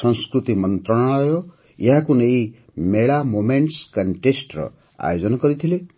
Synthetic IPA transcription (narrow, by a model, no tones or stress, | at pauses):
ʌnskrut̪imʌnt̪rʌɽ̃ʌjo | jɦakunʌj | meɭamomeɳʈskʌɳʈesʈrʌ̰ | a̰jod͡zʌnaɡʌɾit̪ʰile